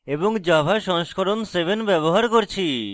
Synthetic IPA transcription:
eboŋd͡ʑabʱaʃɔŋʃkʰoɾonsebʱenbɛboɦaɾkoɾt͡ɕʰi

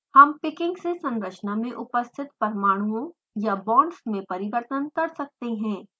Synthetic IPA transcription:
hɐmpɪkɪ̃ŋɡsesɐ̃nɾət͡ʃnamẽʔʊpəst̪ʰɪt̪pɐɾmaːɽ̃uõ | jabɔ̃ːɳɖsmẽpɐɾɪʋəɾt̪ənkɐɾsɐk̚t̪eɦɛ̃ː

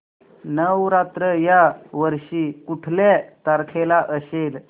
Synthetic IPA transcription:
nəwɾat̪ɾəjaʋəɾɕiːkuʈʰlet̪aɾkʰelaʔəɕel

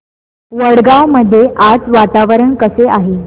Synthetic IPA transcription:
ʋəɽɡawməd̪ʱːjeʔad͡zʋat̪aʋəɾəɳkəseʔaɦe

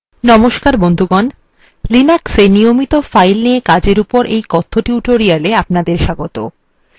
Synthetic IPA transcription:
nɔmoʃkaɾbond̪ʱuɡɔn | linaksenijomit̪ofajlniekad͡ʑeɾupoɾʔejkɔt̪ʰːoʈiuʈoɾialeapnad̪eɾʃaɡot̪o

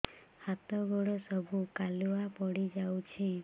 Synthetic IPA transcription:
hat̪ɔɡɔɽɔsəbʱukaluapɔɽid͡ʒawt͡ʃʰi

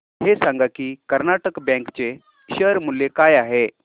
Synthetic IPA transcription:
ɦesãŋɡakiːkəɾnaʈəkbɛ̃ŋkt͡se | ɕəɾmulːekajaɦe

